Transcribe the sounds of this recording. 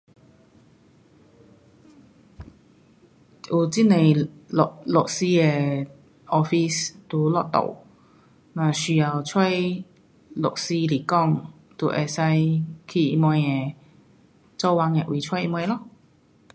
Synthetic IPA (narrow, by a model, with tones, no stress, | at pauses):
ʔu˨t͡si˥nẽ˨˩jlo˨lo˨k̚si˧e˨˧ | ʔɔ˧fi˧st̪u˨˦lɔ̰˧˨ʔ̚t̪o̰˨˩w | nã˨˩ɕy˨˩ja˨˩wt͡sʰwɔ˥˧j | lo˨˩k̚si˧li˨˩kɔ˥˧˨ŋ | t̪ṵ˧˦ʔɛ̰˧˩sa˧jkʰi˧˩i˧mɔ˧jɛ˨˧˩ | t͡sɔ˥˧˨wa˧ŋe˨˧˨ʔwʔi˨˩t͡ɕʰwɔ˥˨i˧mɔ˧jlɔ˥˧˨